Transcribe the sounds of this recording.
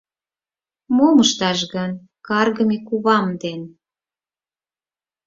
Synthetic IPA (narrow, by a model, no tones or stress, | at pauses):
moməʃt̪ɑʃɣən | kɑrɣəmekuβɑmd̪en